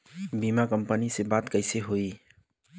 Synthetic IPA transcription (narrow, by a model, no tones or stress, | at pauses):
bimakəmpənisebat̪kəɪseɦoi